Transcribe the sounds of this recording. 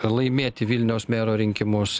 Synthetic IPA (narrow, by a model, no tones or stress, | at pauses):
lˠɐɪmʲeːt̪ʲɪʋʲɪlʲnʲɛʊsmʲeːɾoːɾʲɪŋʲkʲɪmʊs